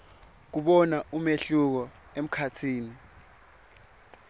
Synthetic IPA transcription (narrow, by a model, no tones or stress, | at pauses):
k̬uɓɔnaumeɬuk̬ɔem̩kʰatʰiːni